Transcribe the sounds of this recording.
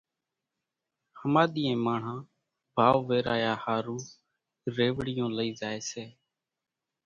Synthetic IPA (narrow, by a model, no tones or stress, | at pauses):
həmaːɗ̪iːẽːmaːɳ̤ãː | bʱaːʋʋeːɾaːjaːhaːɾũː | ɾeːʋɽɪjõːləiːzaːeːseː